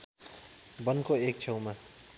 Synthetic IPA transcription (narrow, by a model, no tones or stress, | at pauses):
bʌnkoek̚t͡sʰʌwma